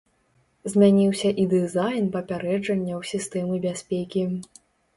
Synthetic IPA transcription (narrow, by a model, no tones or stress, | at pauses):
zʲmʲanʲiwsʲɐʔid̪ɨzajnpɐpʲaɾɛd͡ʐɐnʲːɐwsʲist̪ɛmɨbʲasʲpʲekʲi